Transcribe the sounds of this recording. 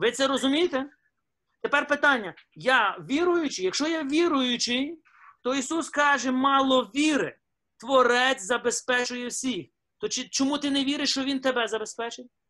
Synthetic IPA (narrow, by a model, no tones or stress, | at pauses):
ʋɪt̪sɛɾɔzʊmʲijɪt̪ɛ | t̪epɛrpɪt̪ɑnʲːɐjɑʋʲiɾʊjʊt͡ʃɪjɐkʃt͡ʃɔjaʋʲiɾʊjʊt͡ʃɪj | t̪ɔisuskɑʒɛmɑlˠɔʋʲiɾɪ | t̪ʋɔɾɛt͡sʲzɐbespɛt͡ʃʊjɛwsʲix | t̪ɔt͡ʃɪt͡ʃɔmut̪ɪneʋʲiɾɪʃt͡ʃɔʋʲint̪ebɛzɐbespɛt͡ʃɪtʲ